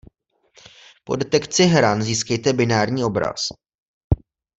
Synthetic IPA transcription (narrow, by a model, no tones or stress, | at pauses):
po̞̰dɛt̪ɛkt͡sɪɦɾanziːskɛjt̪ɛbɪnaːɾɲiːo̞bɾa̰s